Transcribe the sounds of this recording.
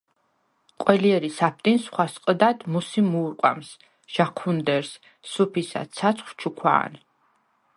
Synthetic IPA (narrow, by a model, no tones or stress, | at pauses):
qʼwɛliɛɾisap̚ʰt̪ʼinsχwasqʼd̪ad̪musimuːɾqʼwa̰ms | ʒ̥akʰund̪ɛɾsː | upʰisa̰sʰat̪sʰχwt͡ʃʰukʰwa̰ːn